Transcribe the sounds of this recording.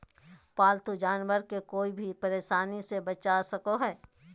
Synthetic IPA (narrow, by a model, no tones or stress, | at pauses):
paːlt̪ʰud͡ʒaːnʋəɾkekoːibʱipɐɾeːʃaːnisebɐt͡ʃasɐkoɦɛː